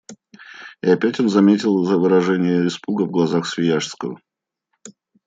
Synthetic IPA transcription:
ɪɐpʲætʲo̞nzɐmʲetʲɪlˠzəvɨɾɐʐɛnʲɪjəɪspuɡəvɡlˠɐzaxsvʲɪjaʂskəvə̰

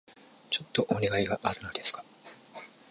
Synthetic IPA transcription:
t͡ɕo̞t̪ːo̞ʔoneɡaiɡaʔaɾɯ̟no̞d̪e̞sɨ̥kḁ

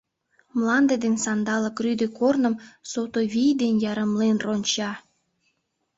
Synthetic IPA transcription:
mlˠɑnd̪ed̪ensɑnd̪ɑlə̆kryd̪ekornə̆msot̪oβʲijd̪enjɑɾə̆mlenronʲt͡ɕɑ

